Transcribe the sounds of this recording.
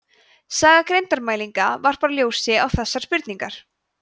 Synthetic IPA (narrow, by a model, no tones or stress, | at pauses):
saːɣakɾejnt̪aɾmaːjliŋkavaɾ̥paːɾaljoːwsɪawθɛsːaɾ̥spʏɾt̪niŋkaɾ̥